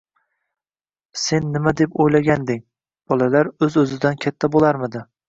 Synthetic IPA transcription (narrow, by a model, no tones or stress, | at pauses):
se̞nːɪmad̪e̞pojlaɡʲand̪ɪŋ | b̥ɒlˠalaɾɵzɵzɪd̪ankʲʰat̪ʰːabolˠaɾmɪd̪ɪ